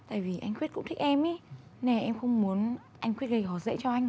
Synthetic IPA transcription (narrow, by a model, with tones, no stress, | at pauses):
t̪a̰ː˧˨jvi˨˩ʔa˧jŋ̟kwi˦˥t̚kʊ̰˧˥ŋ͡mt̪ʰi˦˥k̚ʔɛ˧mʔi˨˦nɛ˨˩ʔɛ˧mxə˧wŋ͡mmu˨˦ən | ʔa˧jŋ̟kwi˦˥ət̚ɣə˧jhɔ˧˩zə̰˧˥t͡ɕɔ˧ʔa˧jŋ̟